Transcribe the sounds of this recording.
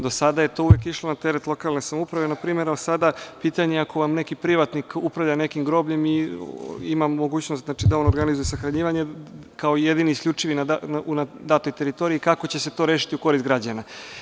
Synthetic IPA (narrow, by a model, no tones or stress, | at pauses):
d̪o̞sad̪aje̞t̪o̞uʋjekiʃlˠo̞nat̪e̞ɾet̪lˠo̞kalnesamoupɾaʋenapɾiːme̞ɾasad̪apiːt̪aɲeako̞ʋamne̞kipɾiʋat̪nikupɾavʎane̞kimɡɾo̞bʎe̞mi | imamːo̞ɡuːt͡ɕnost̪znat͡ʃid̪aonoɾɡanizujusaxɾaɲiːʋaɲe̞kao̞ije̞d̪iniisklʎʲut͡ʂiʋinaanunad̪at̪o̞jt̪e̞ɾit̪o̞ɾiikako̞t͡ɕe̞se̞t̪o̞ɾeːʃ̬i̥t̪iuko̞ɾist̪̚ɡɾad͡ʑana